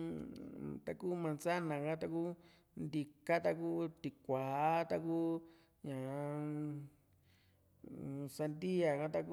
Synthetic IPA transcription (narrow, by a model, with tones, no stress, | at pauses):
t̪a˧ku˦mã˧nsa˦nã˨kã˦t̪a˧ku˦ | nd̪i˧ka˦t̪a˦kuː˦t̪i˨kʷa˨˦t̪a˧ku˦ | ɲã˨˧ | sa˧nd̪i˦a˨kã˦t̪a˧ku˦